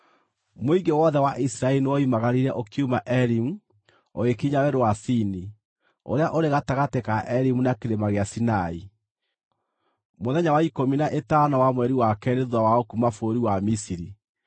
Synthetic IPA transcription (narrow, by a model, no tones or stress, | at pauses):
moiŋɡewɔðɛwaʔisiɾaɛlinewɔimaɣaɾiɾɛʔokiumaʔɛɾimu | o̰ɣekiɲawɛɾowasini | o̰ɾeaʔoɾeɣataɣatekaʔɛɾimunakeɾemaɣeasinai | moðɛɲawaikominaʔetanawamwɛɾiwakɛɾeðwawaokumafoɾiwamisiɾi